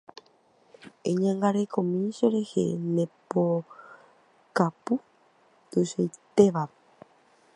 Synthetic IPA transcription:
eɲãŋɡaɾekõmĩʃeɾe̞hḛnẽpo | kapu | t̪uʃojt̪eʋa

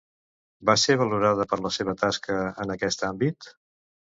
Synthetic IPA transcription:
baseβəluɾaðəpəɾləseβ̞ət̪askəənəkɛst̪ambit̪

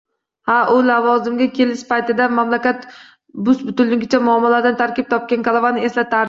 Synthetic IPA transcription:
haʔʊlavɒzɪmɡʲakʲʰe̞lɪʃpajt̪ɪd̪amamlakʲat̪ | bʊsbʊt̪ʊlːɪɡʲɪt͡ʃʰamʊɒmːalaɾd̪ant̪ʰaɾkʲɪp̚t̪ʰɒp̚kʲankalˠavanɪe̞slat̪ʰaɾ

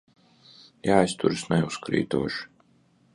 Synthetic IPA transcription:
jaːist̪uɾɨsnɛuskɾḭːt̪ṵɔʃ

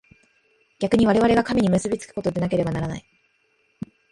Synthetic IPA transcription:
ɡʲakɯ̟ɲ̟iβaɾe̞β̞aɾe̞βakamʲiɲ̟imɯ̟sɨbʲit͡sɨ̥kɯ̟̥ko̞t̪o̞d̪e̞nak̬e̞ɾe̞banaɾana̰i

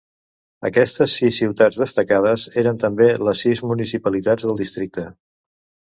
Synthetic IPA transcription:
ə̰kɛst̪əsːisːiwt̪ad͡zðəst̪əkað̞əzeɾənt̪əmbeləsːizmunisipəlit̪ad͡zðəlˠd̪ist̪ɾik̚t̪ə

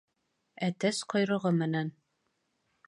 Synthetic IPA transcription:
æt̪æsqɒjɾɤ̆ʁɤmɘ̆næn

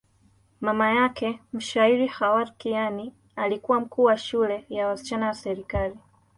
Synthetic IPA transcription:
mamajakʰɛm̩ʃaiɾihawaɾkijani | alikuwam̩kuːwaʃulɛjawasi̥t͡ʃanawasɛɾikali

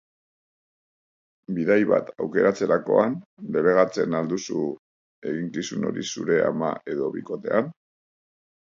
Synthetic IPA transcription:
biðajβa̰t̪awke̞ɾat͡se̞ɾako̞̰anleβe̞ɣ̞at͡se̞nald̪usu | e̞ɣiŋkisuno̞̰ɾisuɾe̞amaʔe̞ðo̞βiko̞t̪e̞̰an

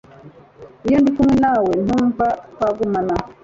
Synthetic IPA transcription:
ijondikumwenawen̥uɱvakwaɡumana

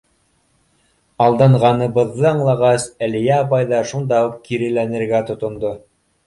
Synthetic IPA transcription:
ɑlˠd̪ɑɴʁɑnɤ̆βɤ̆ðːɤɑɴlˠɑʁɑsælijæɑp̬ɑjðɑʃund̪ɑup̚kiɾɘ̆lænɘ̆ɾɡæt̪ŏt̪ŏnd̪o

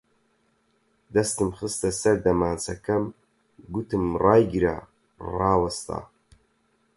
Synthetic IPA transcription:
d̪ɐst̪ɨmχɨst̪ɐsɐɾd̪ɐmaːnt͡sɐkʰɐm | ɡut̪ʰɨmraːjɡiɾa̰ | raːwɐst̪ʰa̰ː

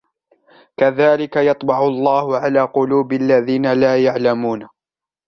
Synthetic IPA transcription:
kaðaːlɪkajɑt̪ˤbɑʕʊlˤːɑːhʊʕalaːqʊluːbɪalːaðiːnalaːjaʕlamuːn

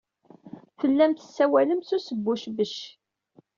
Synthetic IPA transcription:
fəlːæmt̪əsːæwæləmsusəbːʊʃbəʃ

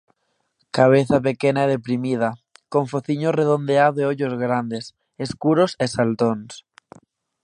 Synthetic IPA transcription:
kaβ̞eθapekenaeð̞epɾimið̞akõɱfoθiɲoreð̞ond̪eaeoʎozɣ̞ɾand̪e̞s | eskuɾosesalt̪ons

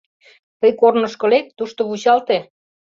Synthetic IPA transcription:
t̪ɤjkornɤ̆ʃkɤ̆lek̚t̪uʃt̪ŏβuɕɑlt̪e

